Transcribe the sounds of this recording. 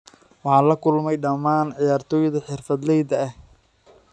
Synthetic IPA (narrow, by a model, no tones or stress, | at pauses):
wɑħɑːlɐkʰʊlmɛjɖɐmaːnʕɪjaːrt̪ʰɔːjðɐħɪrfɐd̪lɛjd̪ɐːh